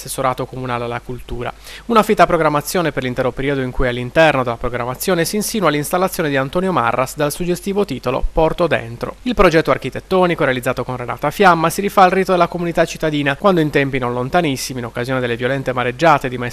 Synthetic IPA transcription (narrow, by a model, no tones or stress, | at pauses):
sesːoɾaːt̪okomunaːlealːakult̪uːɾa̰unafit̪ːapɾoɡɾamːat̪sːjɔːneperlint̪ɛɾopeɾiːod̪oiŋkujalːint̪ɛrnod̪elːapɾoɡɾamːat̪sːjɔːnesiːnsinualːinst̪alːat̪sːjoːned̪iant̪oːnjoma̰rːʔasd̪alsud͡ʒest̪iːvot̪iːt̪olo̰pɔrt̪od̪ḛnt̪ɾo̰ilpɾod͡ʒɛt̪ːoarkit̪et̪ːɔːnikoɾealid̪zaːt̪okonrena̰ːt̪afjamːasiɾifaːlriːt̪od̪elːakomunit̪at͡ʃːit̪ːad̪iːnakwand̪oint̪ɛmpinonlont̪anisːimiːnokːazjoːned̪elːevjolɛnt̪emaɾed͡ʒːaːt̪ed̪ima